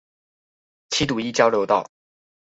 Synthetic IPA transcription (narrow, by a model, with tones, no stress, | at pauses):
t͡ɕʰi˥t̪u˨˩i˥t͡ɕjɑ˥ʊljo˧˥ʊt̪ɑ˥˩ʊ